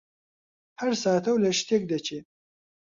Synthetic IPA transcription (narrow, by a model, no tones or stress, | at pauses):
haɾsɑːt̪awlaʃt̪ek̚d̪et͡ʃe